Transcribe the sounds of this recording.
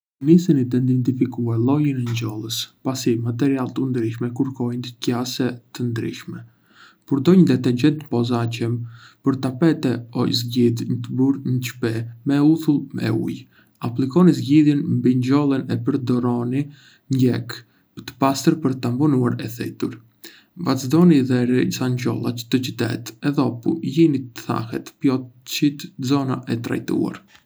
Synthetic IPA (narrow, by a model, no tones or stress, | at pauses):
nisinid̪ɛind̪ɛnt̪ifikualˠɔjənɛɲd͡ʑɔlˠəspasimat̪̬ɛɾialˠt̪əund̪ɾiʃmɛkuɾkɔjnt̪əcasɛt̪ənd̪ɾḭʃmɛ | puɾd̪ɔɲəd̪ɛt̪ɛɲɟɛnt̪əpɔzacəmpəɾt̪apɛt̪ɛɔ̰jzɟid̪ɲət̪əbuɾɲət͡ʃpɛmɛuθulˠmɛ̰ṵj | aplikɔnizɟiðjɛnmbiɲd͡ʒɔlˠənɛpəɾd̪ɔɾɔni | ɲɛk | t̪ə̥past̪əɾpəɾt̪ampɔnuaɾɛθɛ̰t̪uɾ | vat͡sd̪ɔniðɛɾiisaɲɟɔ̰lˠa̰t͡ʃə̥t̪ət͡ʃət̪ɛ̰t̪ɛðɔpujinit̪əθa̰hɛ̰t̪pjɔt͡ʃit̪zɔnaʔɛt̪ɾa̰jt̪ṵa̰ɾ